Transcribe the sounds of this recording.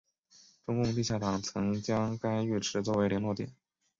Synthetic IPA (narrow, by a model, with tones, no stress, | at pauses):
ʈ͡ʂʊ˥ŋkʊ˥˧ŋt̪i˥˧ɕja˥˩t̪ɑ˨˩ŋt͡sʰɤ˧˥ŋt͡ɕjɑ˥ŋka˥ɪy˥˩ʈ͡ʂʰɻ̩˧˥t͡swɔ˥˩we˧˥ɪljɛ˧˥nlwɔ˥˩t̪jɛ̰˨˩˦n